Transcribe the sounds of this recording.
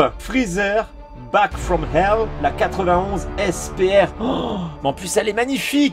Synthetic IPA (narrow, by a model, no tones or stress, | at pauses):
fχizɛʁ | bakfʁɔmhɛlːlakat̪χəvɛ̃ɔ̃zɛspeɛʁ | ɑ̃plysɛlɛmaɲifik